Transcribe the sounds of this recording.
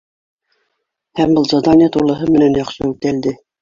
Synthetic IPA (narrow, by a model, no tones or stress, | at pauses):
hæmbɤlˠzɑd̪ɑnʲiɑt̪ulˠɤ̆ɦɤmɘ̆nænjɑχʃɤʉt̪æld̪ɘ